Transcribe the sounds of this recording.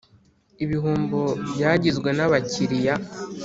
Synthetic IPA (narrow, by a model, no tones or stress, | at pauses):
iβiɦuːmbobjaːɟizɡwe̞naβaciɾija